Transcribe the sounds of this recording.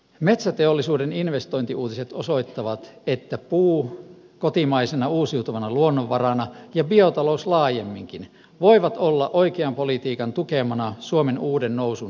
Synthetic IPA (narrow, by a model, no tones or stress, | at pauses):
met̪sæt̪eolːisuːdeninʋest̪oint̪iuːt̪iset̪oso̞it̪ːɑʋɑt̪et̪ːæpuː | kot̪imɑisenɑuːsiut̪uʋɑnɑluonːoʋːɑrɑnɑjɑbiot̪ɑlouslɑːjemːiŋkin | ʋoiʋɑt̪olːɑʔoikeɑmpolit̪iːkɑnt̪ukemɑnɑsuomenuːdenːousun